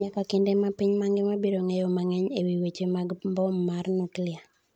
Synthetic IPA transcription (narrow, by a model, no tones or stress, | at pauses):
ɲakakɪndemapiɲmaŋɡɪmabeɾoŋejomaŋɛɲewiwet͡ʃemaɡmbɔmːarnuklɪa